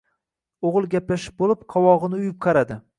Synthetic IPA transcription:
oʁɨlˠɡʲaplaʃɪ̥p̚bolɪpqʰɒwɒʁɨnɪʊjɪp̚qʰɑɾad̪ɪ

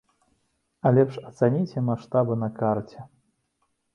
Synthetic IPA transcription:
ɐlʲɛpʂɐt̪sanʲit͡sʲɛmaʂt̪abɨnɐkart͡sʲɛ

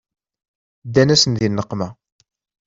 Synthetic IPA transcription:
d̪ːænæsənðinːəqːmæ

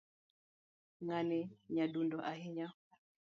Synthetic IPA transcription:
ŋaniɲadundɔʔaɦiɲa

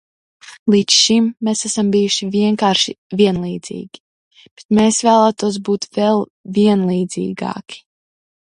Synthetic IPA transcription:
lˠiːt͡ʃʃimːesæsambijuʃiviɛŋkaːɾʃiviɛnlˠiːd̪z̥ḭːɡʲi̥ | b̥et̪meːsvæːlˠaːt̪uɔs̬buːt̪vɛlˠviɛnlˠiːd̪z̥ḭːɡa̰ːki̥

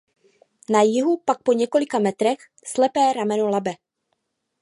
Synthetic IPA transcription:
najɪɦupak̚po̞ɲɛko̞lɪkamɛt̪ɾɛx | slɛpɛːɾamɛnolabɛ

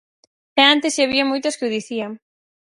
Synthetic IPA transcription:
ɛant̪ɪsaβiamojt̪oskɪuðiθiaŋ

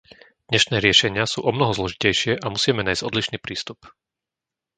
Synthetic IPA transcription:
d̪̥ɲɛʃnɛːɾɪɛʃɛɲɪasṵːʔɔmnɔɦɔzlɔʒicɛjʃɪɛʔamusiːmɛnajz̥ɟɔd̪liʃniːpɾiːst̪up

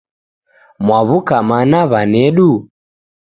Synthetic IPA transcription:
mwaβukamanaβanɛɗu

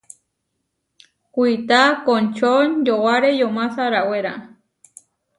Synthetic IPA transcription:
kʷit̪akont͡ʃond͡ʒowaɾejomãsaɾaweɾa

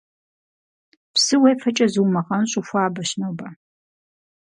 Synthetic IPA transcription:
psɨwejfɐt͡ʃʼɐzɨwmɐʁɐnɕʼufʷaːbɐɕnɐwba

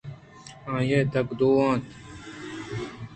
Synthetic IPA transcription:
ãːjed̪ɐkd̪oːãːt̪

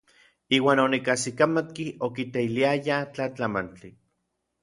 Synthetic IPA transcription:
iːwaːnonikasikamat̪kiokit̪eiliajat͡ɬat͡ɬamant͡ɬi

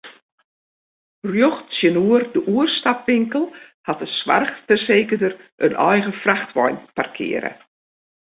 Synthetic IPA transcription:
rjoxsjənuərdəʔuərstapʋɪŋkəlˠhatəsʋa̰rxtɛrseːkədərʔənʔɔjɣəfraxtʋɔjnparkʰɪ̰əɾə̰

